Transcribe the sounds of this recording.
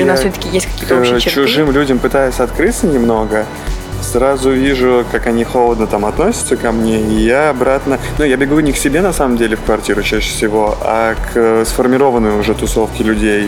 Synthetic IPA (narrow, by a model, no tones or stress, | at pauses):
nasssʲot̪əkʲɪjesʲt̚ʲkɐkʲiəkt̪əot͡ɕʊʐɨmlʲudʲəmpɨt̪ajʊsʲɐt̪kɾɨt̪sənʲɪmno̞ɡə | sɾazʊvʲiʐʊkakɐnʲixolˠəd̪nət̪amɐt̪nosʲɪ̥t̪səkɐmnʲeijaːbɾat̪nənujabʲɪɡuʊnʲɪksʲɪbʲe̞nɐsaməmdʲelʲɪfkvɐrtʲiɾʊt͡ɕæɕːɪ̥fsʲɪvo̞a̰kʰsfərmʲɪɾo̞vənːəjʊʐɛt̪ʊso̞fkʲɪlʲʉdʲej